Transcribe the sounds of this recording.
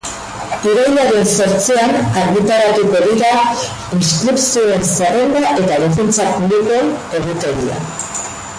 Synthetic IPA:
iɾajnaɾenso̞ɾt͡sianaɾɣit̪aɾaɾipoɣiɾa | ist̪ɾipsioe̞nserend̪aʔe̞t̪aðefunt͡sapuβlikoeneɣit̪eɾia̰

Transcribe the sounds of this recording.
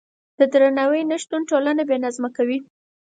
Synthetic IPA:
d̪̥əd̪ɾanawəjnəʃt̪unʈolanebenazmakawi

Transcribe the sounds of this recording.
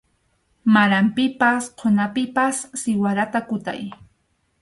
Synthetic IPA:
maɾampɪpasqʰonapɪpasːɪwaɾat̪akʊt̪a̰j

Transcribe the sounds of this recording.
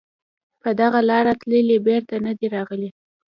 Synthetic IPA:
pəd̪aɣalɑɾat̪ləlibeɾt̪anad̪iɾɑɣəli

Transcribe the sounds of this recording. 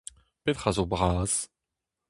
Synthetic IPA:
pet̪χazobʁaːz̥

